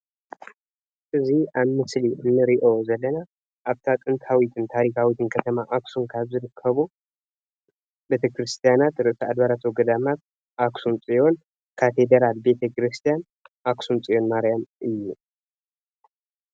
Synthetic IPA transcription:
ʔɨziaβmɨsliʔɨnːɨɾiʔo̞zɐlːɐna | ʔaβt̪ʰat̪ʼɨnt̪hawit̪ʰɨnt̪ʰaɾikʰawit̪ʰɨnkʰɐt̪ʰɐmaʔaksunkʰaβzɨɾɨkʰːɐβu | be̞t̪ʰɐkɾɨst̪ʰijanat̪ɾɨʔsɐad̪βaɾat̪ʰowɡɐd̪amat̪̚ | ʔaksunt͡sʼijo̞n | kʰat̪ʰe̞d̪ɐɾalbe̞t̪ʰɐkɾɨst̪ʰijan | ʔaksunt͡sʼijo̞nmaɾjamʔɨjːu

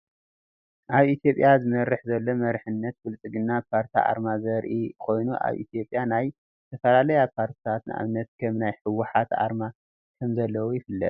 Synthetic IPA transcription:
ʔaβit̪ʰjo̞pʼjazɨmɐɾːɨħzɐlːomɐɾħɨnːɐt̪̚fɨlt͡sʼɨɡɨnːapʰaɾt̪ʰḭʔa̰ɾmazɐɾʔikʰo̞jnuʔa̰βʔḭt̪ʰjo̞pʼjanaj | t̪ʰɐfɐlalɐjapʰaɾt̪ʰi̥t̪ʰat̪nɨʔa̰βɨnːɐt̪kʰɐmnajħɨwːʊħat̪a̰ɾma | kʰɐmzɐlːɐwujɪfɨlːɐ̰t̪̚ʼ

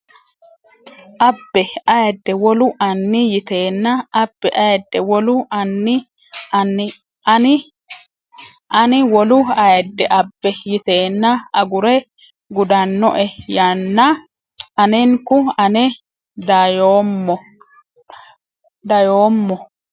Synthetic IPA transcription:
ʔɐbːɛɐjɛd̪ːɛwɔlʊʔɐnːɪjɪt̪eːnːɐːbːɛʔɐjɛd̪ːɛwɔlʊɐnːɪ | ɪ | nɪ | ʔɐnɪwɔlʊɐjɛd̪ːɛʔɐbːɛjɪt̪e̞ːnːɐɐɡʊɾɛ | ɡʊd̪ɐnːɔ̰ʔɛjɐnːɐ | ʔɐnɛŋkʊɐnɛ | d̪ɐjo | d̪ɐjoːmːɔ

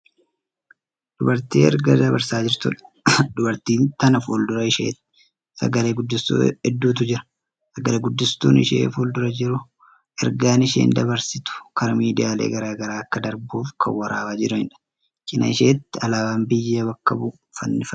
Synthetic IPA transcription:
d̪̥ʊbɐɾt̪iːɛ̰ɾɡɐd̪ɐβɐɾsaːd͡ʒɪɾt̪ʊ̰ᶑɐ̥ | d̪ʊbɐɾt̪iːnt̪ɐnɐfold̪ʊɾɐɪʃḛːt̪ː | sɐ̰ɡɐleːɡʊd̪ːɪst̪o̰ɛd̪ːuːt̪̬ʊd͡ʒɪɾɐ̥ | sɐɡɐleɡʊd̪ːɪst̪uːnɪ̰ʃḛːfold̪ʊɾɐd͡ʒɪɾʊ | ʔɛɾɡaːnɪʃḛːnd̪ɐbɐɾsɪt̪ʊ̥kɐɾɐmiːd̪ɪjaːlḛːɡɐɾaːɡɐɾaːɐkːɐd̪ɐɾbuːfkʰɐ̰wːɐɾʔaːwaːd͡ʒɪɾʊhɪnᶑɐ̥ | kɪnɐ̰ɪʃeːt̪ːɪɐlaːwaːmbɪjːɐβɐkːɐbʊ | fɐnːɪfɐ

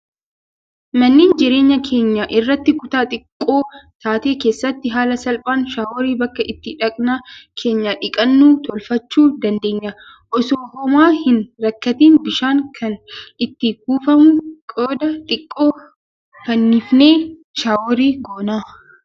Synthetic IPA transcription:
mɐnːiːnd͡ʒɪɾe̞ːɲːɐkʰe̞ːɲːaʔɪrːɐt̪ːɪkʊt̪aːt̪ʼɪkʼːo̞ːt̪aːt̪e̞ːke̞ːsːɐt̪ːɪɦaːlɐsɐlpʼaːnʃaːwɔɾiːbɐkːɐʔɪt̪ːɪᶑɐkʼnaːkʰe̞ːɲːaᶑɪkʼɐnːuːt̪ɔlfɐt͡ʃːuːd̪ɐnd̪e̞ːɲːɐ | ʔɔsoːhɔmaːhɪnɾɐkːɐt̪iːnbɪʃaːŋkʰɐnɪt̪ːɪɡuːfɐmʊkʼoːd̪ɐt̪ʼɪkʼːo̞ː | kɐnːɪfne̞ː | ʃaːwɔɾiːɡoːnaː

